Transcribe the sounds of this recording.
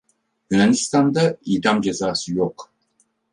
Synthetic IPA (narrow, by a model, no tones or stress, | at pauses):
jynanist̪ʰand̪aiːd̪amd͡ʒe̞zaːsɯjok